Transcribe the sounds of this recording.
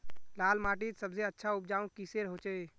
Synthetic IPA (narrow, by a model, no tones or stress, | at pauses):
laːlmaːʈit̪səbzeətːʃʰaʊp̚d͡ʒaːũkiseɾɦot͡ʃee